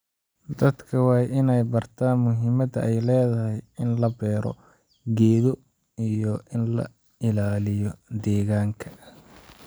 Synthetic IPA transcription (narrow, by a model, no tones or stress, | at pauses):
d̪ɐd̪kʰɐwɑːjʔɪnɛjbɐrt̪ʰaːnmʊɦɪmɐd̪ɐʔɛjlɛːðɐhɛjɪnlɐbɛːɾɔ̰ | ɡɛːðɔ | ijɔʔɪnlɐ̰ | ɪlaːlɪjɔd̪ɛːɣaːŋkʰɐ̥